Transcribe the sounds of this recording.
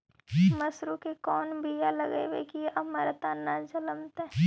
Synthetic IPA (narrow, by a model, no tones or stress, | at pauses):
mɐsɾukekɔːnbʱijalɐɡewḛkiɐməɾt̪anad͡ʒɐləmt̪ɛ